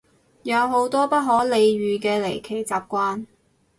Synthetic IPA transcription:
jɐ˨˧wɦo˨˥wt̪ɔː˥pɐ˥t̚ɦɔː˨˥le˨˧jɥyː˨kɛː˧le˨˩jkʰe˨˩jt͡saː˨p̚kʷaː˥n

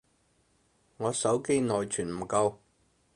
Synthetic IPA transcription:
ŋɔː˨˧sɐ˨˥wke˥jnɔː˨jt͡ʃʰyː˨˩nm̩˨˩kɐ˧w

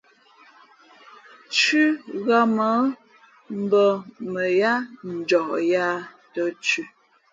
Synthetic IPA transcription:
t͡ʃʉ˦ɣa˦mə˨˦ | m̩˨bə˦mə˨ja˦n̩˨d͡ʒɔ˨ʔja˦ | tə˦t͡ʃʉ˦

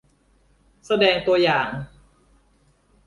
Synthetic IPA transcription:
sa˧dɛː˧ŋt̪u˧ɐjaː˨˩ŋ

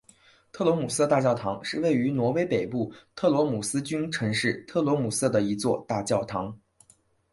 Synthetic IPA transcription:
t̪ʰɤ˥˩lwɔ˧˥mu˨˩s̩˥˧t̪a˥˧t͡ɕjɑ˥˩ʊt̪ʰɑ˧˥ŋʂɻ̩˥˧we˥˩ɪy˧˥nwɔ˧˥we˥ɪpe˨˩ɪpu˥˩t̪ʰɤ˥˩lwɔ˧˥mu˨˩sɹ̩˥t͡ɕy˥nʈ͡ʂʰɤ˧˥ŋʂɻ̩˥˩t̪ʰɤ˥˩lwɔ˧˥mu˨˩sɤ˥˩d̪ə˩i˧˥t͡swɔ˥˧t̪a˥˧t͡ɕjɑ˥˩ʊt̪ʰɑ˧˥ŋ

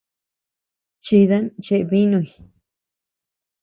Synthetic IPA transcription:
t͡ʃi˧ða˦nt͡ʃe˧ʔβi˦nũ˧i˨

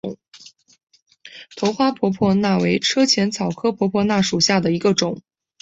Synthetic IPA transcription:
t̪ʰo˧˥ʊxwa˥pʰwɔ˧˥pʰwɔ˥˧na˥˩we˧˥ɪʈ͡ʂʰɤ˥t͡ɕʰjɛ˧˥nt͡sʰɑ˨˩ʊkʰɤ˥pʰwɔ˧˥pʰwɔ˥na˥˩ʂu˨˩ɕja˥˩d̪ə˩i˧˥ɡə˧ʈ͡ʂʊ˨˩˦ŋ

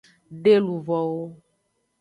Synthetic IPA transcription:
ɖe˦lu˨vɔ˨wo˦

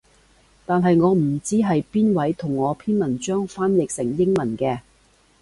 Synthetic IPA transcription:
t̪aː˨nɦɐ˨jŋɔː˨˧m̩˨˩t͡siː˥ɦɐ˨jpiː˥nwɐ˨˥jt̪ʰʊ˨˩ŋːɔː˨˧pʰiː˥nmɐ˨˩nt͡ʃœː˥ŋfaː˥njɪ˨k̚sɪ˨˩ŋjɪ˥ŋmɐ˨˩nkɛː˧

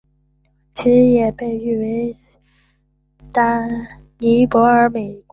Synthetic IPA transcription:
t͡ɕʰi˧˥ʂɻ̩˧˥jɛ˨˩pe˥˧ɪy˥˩we˧˥ɪ | t̪a˥ | ni˧˥pwɔ˧˥ə˞˧˥me˨˩ɪk

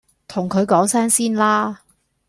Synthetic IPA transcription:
t̪ʰʊ˨˩ŋkʰɵ˨˧ɥkɔː˨˥ŋsɛː˥ŋsiː˥nlaː˥

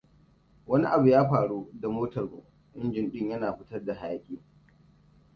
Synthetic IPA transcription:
wɐ˦ni˦ʔa˨bu˨jaː˦ɸaː˨ɽu˦da˨moː˦tɐ˨rmṵ˨ʔ | ʔɪ˦nd͡ʒɪ˨nɗɪ˦ɲjɐ˦naː˨ɸɪ˦tɐ˦rda˨ha˨ja˦kʲʼɪː˦ŋ

